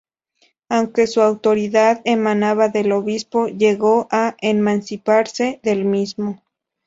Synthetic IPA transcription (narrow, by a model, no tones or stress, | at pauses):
awŋke̞suawt̪oɾiðaðemanaβaðeloβispoʝeɣoʔaʔemansipaɾseðelmismo